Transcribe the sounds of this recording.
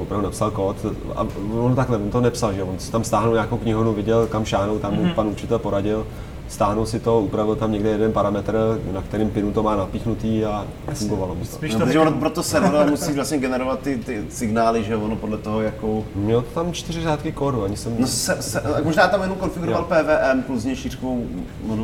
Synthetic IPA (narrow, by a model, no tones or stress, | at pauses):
vopɾavdunapsalkoːt̪a̰ovont̪aklɛvont̪onɛpsalʒɛjovonsɪ̥t̪amst̪aːɦnuwɲaːkowkɲɪɦoduvɪɟɛlkamʃaːɦnowt̪amupanut͡ʃɪt̪ɛlpo̞ɾaɟɪl | st̪aːɦnuwsɪt̪oupɾavɪlt̪amɲɛɡdɛjɛdɛnpaɾamɛt̪rnakt̪ɛɾɪmpɪnut̪omaːnapiːxnut̪iːa | fuŋɡovalomɪst̪opt̪ʒɛvonopɾot̪osɛɾodomusiːvlasɲɛɡɛnɛɾovat̪ːɪt̪ɪsɪɡnaːlɪʒɛovonopodlɛt̪oɦojakomɲɛlot̪ot̪amt͡ʃt̪ɪrɪraːt̪kɪkoːduaɲɪsɛmnosɛsɛmoʒnaːt̪amjɛnowkonfɪɡuɾovalpɛːvɛːʔɛmpluzɲɛʃir̥kow | mod